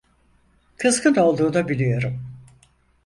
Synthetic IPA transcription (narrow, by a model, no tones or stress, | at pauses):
kʰɯzkɯno̞lˠd̪uːd̪abilʲijo̞ɾum